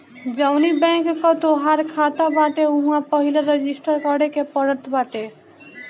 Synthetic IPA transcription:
d͡ʒəwnibɛ̃ŋkːət̪oɦaɾkʰat̪abaʈeuɦãpəɦileɾed͡ʒisʈəɾkəɽekepəɾət̪ʰbaʈe

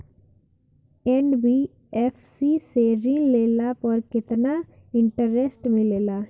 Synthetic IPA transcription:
ɛnɖbiː | ɛfsiseɾĩːnleːlapəɾkɪt̪na | ɪ̃ɳʈəɾesʈmẽleːla

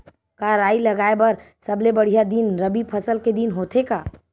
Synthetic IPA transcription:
kaɾaːilɐɡaːebɐɾ | sɐblebɐɽ̤ijad̪inɾəbipʰəsəlked̪inɦoːt̪ʰekaː

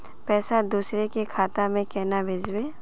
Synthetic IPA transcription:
pɛːsad̪uːsɾekekʰaːt̪amẽkɛːnabʱeːd͡ʒweː

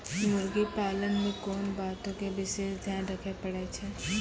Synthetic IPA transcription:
mʊɾɡipaːlənmẽkoːnbaːt̪õkebɪʃeːʃd̪ʱjaːnɾəkʰepəɽet͡ʃʰɛː

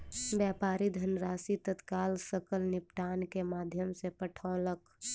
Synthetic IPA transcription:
bjɛːpaːɾid̪ʱənɾaːsit̪ət̪kaːlsəkəlnɪpʈaːnkemaːd̪ʱjəmsepəʈʰɔlək

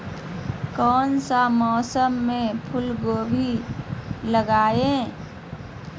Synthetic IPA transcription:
kɔːnsamɔːsəmːẽpʰʊlɡoːbʱi | ləɡaːẽ

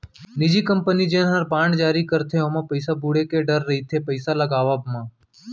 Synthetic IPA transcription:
nɪd͡ʒiːkəmpənid͡ʒenɦəɾbãːɳɖd͡ʒaːɾikəɾt̪ʰeomãpəɪsabuːɽekeɖəɾːɐɦit̪ʰepəɪsaləɡaːʋaːbmãː

